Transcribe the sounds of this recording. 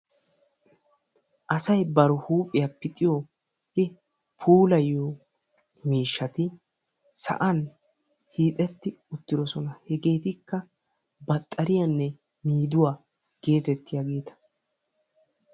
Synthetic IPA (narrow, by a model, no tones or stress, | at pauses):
ʔɐsɐjbɐɾʊhuːpʼːɪjɐpːɪt̪ʼɪjoː | hɪ | pʰuːlɐjːoː | miːʃːɐt̪ɪ | sɐ̰ʔɐn | hiːt̪ʼɛt̪ːɪʊt̪ːɪd̪ɔsɔnɐhɛɡe̞ːt̪ɪkːɐ | bɐt̪ʼːɐɾɪjɐnːɛ | miːd̪ʊwaː | ɡ̥e̞ːt̪ɛt̪ːɪjaɡe̞ːt̪ɐ̥